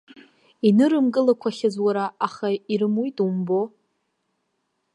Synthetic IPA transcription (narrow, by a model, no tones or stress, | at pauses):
inɨɾɨmɡʼɨlakʷʰaχʲazwaɾaaχaiɾɨmujtʼumbo